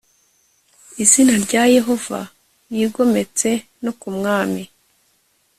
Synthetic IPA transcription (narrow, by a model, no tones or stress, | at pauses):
izinaɾɟaje̞ɦo̞v̥a̰ | jiːɡo̞me̞t͡se̞ | nokumŋaːmi